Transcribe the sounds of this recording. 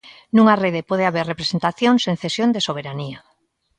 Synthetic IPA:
nũŋareð̞epoð̞eaβeɾrepɾesent̪aθjoŋseŋθesjond̪esoβ̞eɾania

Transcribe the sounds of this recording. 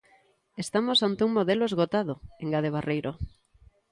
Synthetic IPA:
est̪amosant̪euŋmoðeloezɣot̪að̞oeŋɡað̞eβ̞arejɾʔo

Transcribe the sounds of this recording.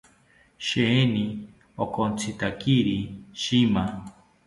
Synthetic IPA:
ʃeni | okont͡sʰit̪akiɾiʃima

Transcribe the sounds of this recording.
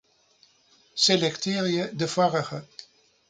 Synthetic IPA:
selɛktɪːrjədəvɑrəχə

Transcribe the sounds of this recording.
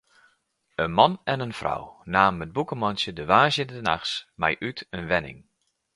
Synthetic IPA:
ənmɑnɛnənfrɔ̰wnaːmət̚bukəmɔnsjədəʋaːʒjəndəna̰xsmɛjʔytʰənʋɛnɪ̰ŋ

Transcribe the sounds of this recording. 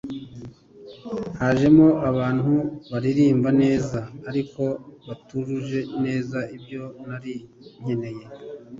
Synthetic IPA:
haːʒe̞moʔaβaːn̥huβaɾiɾiːmbane̞ːzaːɾiko̞βatuɾuʒe̞ne̞ːzaʔibjo̞naɾi | ɲ̥e̞ne̞je̞

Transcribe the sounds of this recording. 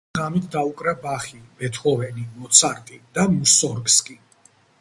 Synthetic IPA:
amit̪ʰd̪aukʼɾabaχibɛt̪ʰɔvɛnimɔt̪sʰaɾt̪ʼid̪̥amusɔɾkskʼi

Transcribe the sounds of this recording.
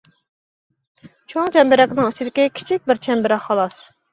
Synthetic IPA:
t͡ʃʰoŋt͡ʃʰɛmbɪɾɛkʲnɪŋit͡ʃʰid̪ɪkʲɪkʲʰi̥t͡ʃʰik̚ʲbɪɾt͡ʃʰɛmbɪɾɛχːɑlˠɑs

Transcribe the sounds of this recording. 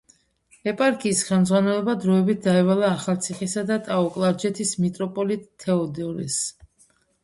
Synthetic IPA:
ɛpʼaɾkʰiːsχɛlmd̪zʁwanɛlɔbad̪ɾɔɛbit̪̚ʰd̪aɛvalaːχalˠt̪sʰiχisad̪at̪ʼaɔkʼlˠaɾd͡ʒɛt̪ʰismit̪ʼɾɔpʼɔlit̪ʼʰːɛɔd̪ɛɔɾḭs

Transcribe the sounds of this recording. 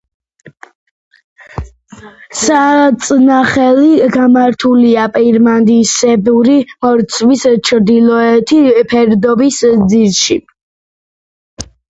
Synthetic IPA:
sat̪sʼnaχɛliɡamaɾt̪ʰuliapʼɛɾmand̪isɛbuɾimɔɾt̪sʰʼwist͡ʃʰɾd̪ilˠɔɛt̪ʰipʰɛɾd̪ɔbisd̪ziɾʃi

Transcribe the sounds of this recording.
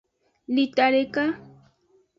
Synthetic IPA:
lɪt̪aɾeka

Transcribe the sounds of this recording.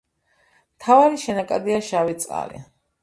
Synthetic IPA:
mt̪ʰavaɾiʃɛnakʼad̪iaʃavit̪sʼqʼa̰lḭ

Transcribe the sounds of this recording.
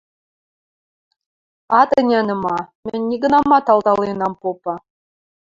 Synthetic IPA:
ɑt̪ə̆nʲænɤ̆mɑmʲɘnʲːiɡɤ̆nɑmɑt̪ɑld̪ɑlˠenɑmpopɑ

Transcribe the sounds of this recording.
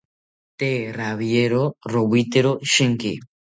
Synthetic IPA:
t̪eraβjeɾorowit̪eɾoʃeŋkḭ

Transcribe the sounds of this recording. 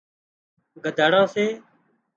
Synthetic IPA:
ɡʱəd̪ʱaːɽãːseː

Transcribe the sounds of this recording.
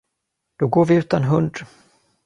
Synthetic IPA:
d̪̥ɔɡoːɾvɪʉ̟ːt̪anɦɵnd̪

